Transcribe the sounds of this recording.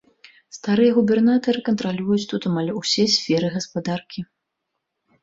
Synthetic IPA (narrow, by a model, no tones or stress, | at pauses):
st̪aɾɨjɛɣubʲɛrnat̪ɐɾɨkɐnt̪ɾalʲujut͡sʲt̪ut̪amalʲusʲɛsʲfʲɛɾɨɣɐspad̪arkʲi